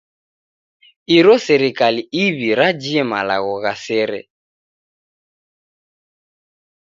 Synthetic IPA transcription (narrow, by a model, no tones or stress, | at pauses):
iɾɔsɛɾikaliiβiɾad͡ʒiɛma̰la̰ɣɔɣasɛɾɛ̰